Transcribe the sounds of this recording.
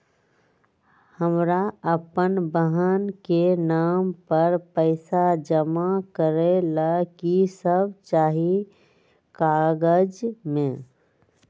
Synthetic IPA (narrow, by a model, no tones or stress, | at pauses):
həmɾaəpənbəɦənkenaːmpəɾpəɪsad͡ʒəmakəɾelakisəb̚t͡ʃaːɦi | kaːɡəd͡ʒmẽ